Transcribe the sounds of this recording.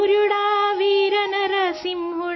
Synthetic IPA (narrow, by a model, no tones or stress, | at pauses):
uɾuɽaːʋiːɾɐnɐɾɐsimɦu